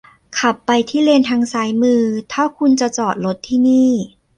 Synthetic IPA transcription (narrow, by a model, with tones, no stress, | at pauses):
kʰa˨˩pːa˧jt̪ʰiː˥˩le˧nt̪ʰaː˧ŋsaː˩˦jmɯː˧t̪ʰaː˥˩wkʰu˧nt͡ɕa˨˩t͡ɕɔː˨˩t̪̚lo˦˥t̪ʰːiː˥˩niː˥˩